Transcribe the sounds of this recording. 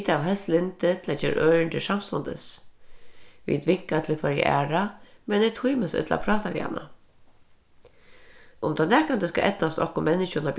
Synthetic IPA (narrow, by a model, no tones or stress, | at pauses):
t̪aʋɦɛslɪnt̪ɪt̪ʰɪlat͡ʃɛːɾʔœːɹɪɳt̪ɪsam̥st̪ɔnt̪ə̰s | ʋḭt̪vɪŋkat̪ʰɪlkʰvaɾjə̰ʔæ̰ːɹamɛnɪt̪ʰujməsʏ̰t̪la̰pʰɾɑːt̪aʋḭːa̰nːa̰ | ʊmt̪ʰanɛːkant̪əska̰ʔɛt̪nast̪ɔhkʊmɛnːɪʃʊnap